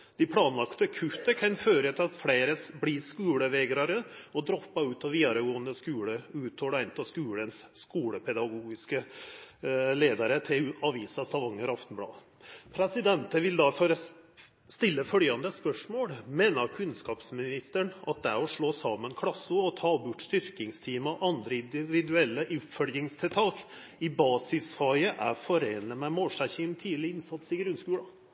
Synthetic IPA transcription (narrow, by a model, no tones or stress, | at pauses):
d̪̥ɪpʰɽɑːnlɑkt̪əkʰʉt̪əkʰɑnføːɾət̪ʰɪlɑt̪fɽeɪɾəsbliːskʉːləʋeːɡɾɑɾəɔd̪ɾɔpːɑʉːt̪ɑʋiːd̪ɑɾəɡoːənd̪əskʉːɽəʉːt̪ʰhɔlæɪnt̪ʰɑskʉːɽənsːkuːɽəpʰɛd̪ɑɡuːɡɪskə | leːd̪ɑɾət̪ʰɪɑʋiːsɑst̪ɑʋɑŋːəɾɑft̪nblɑ̰ːʋ | pʰɾɛsɪd̪ɛnt̪əʋɪld̪ɑføːɾə | st̪ɪlːəfœljɑnd̪əspœʂmoːɽmeːnɑkʰʉnskɑːpsmɪnɪst̪əɳɑt̪̚d̪ɛɾɔʂɭoːsɑːmːənkʰɽɑsːʊɔt̪ʰɑːbʊʈːst̪ʏɾkɪŋst̪ʰiːməʔɑnd̪ɾəɪnd̪ɪʋɪd̪ʉɛlːəʔʉpfœljɪŋst̪ʰɪlt̪ʰɑːk | ɪbɑːsɪsfɑəʔæ̰fɔɾeːnləmɛmoːʂæçɪnt̪ʰiːlɪɪnsɑt̪sɪɡɾʉnskʉːɽɑ